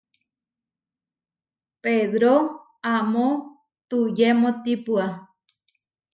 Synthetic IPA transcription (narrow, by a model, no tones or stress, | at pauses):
peðɾo | amo | t̪ujemõt̪ipua